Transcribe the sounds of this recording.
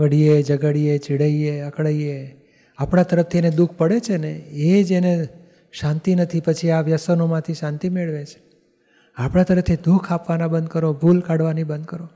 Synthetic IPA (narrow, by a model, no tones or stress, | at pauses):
ʋəɽijed͡ʒəɡəɽiet͡ʃiɽəieəkɭaie | apɽ̃at̪əɾəft̪ʰiened̪ukʰpəɽet͡ʃʰeneed͡ʒene | ʃãnt̪inət̪ʰipət͡ʃʰiaʋjəsənomãt̪ʰiʃãnt̪imeɭʋet͡ʃʰe̥ | apɽ̃at̪əɾəft̪ʰid̪ukʰapʋanabənd̪kəɾobʱulkaɽʋanibənd̪̚kəɾo